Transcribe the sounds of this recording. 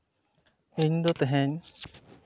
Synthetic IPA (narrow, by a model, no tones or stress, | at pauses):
iɲd̪ot̪eɦeɲ